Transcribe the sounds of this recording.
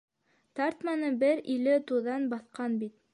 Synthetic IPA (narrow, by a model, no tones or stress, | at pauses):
t̪ɑɾt̪mɑnɤbɘɾilɘt̪uðɑnbɑθqɑnbit̪̚